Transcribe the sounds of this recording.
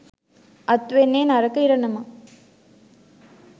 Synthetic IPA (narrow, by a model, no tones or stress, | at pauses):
ʔɐt̪ːʋenːeːnɐɾɐkːɐɪɾɐɳːɐma